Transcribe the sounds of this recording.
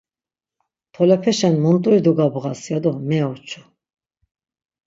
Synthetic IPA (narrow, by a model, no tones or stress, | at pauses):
t̪ʰɔlɛpʰɛʃɛnmɔnt̪ʼuɾid̪uɡabʁasjad̪ɔmɛɔt͡ʃʰu̥